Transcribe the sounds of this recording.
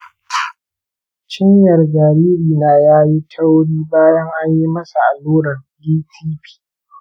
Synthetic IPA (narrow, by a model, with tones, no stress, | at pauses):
t͡ʃɪ˦ɲjɐ˨rd͡ʒaː˨ɾiː˦ɾiː˨na˨jaː˦ji˦tʰɐ˦wɽiː˦baː˦jɐ˦ŋʔa˦ɲji˦mɐ˦sa˨ʔa˨luː˦ɽɐ˨r | diː˦tʰiː˦ɸi̥ː˦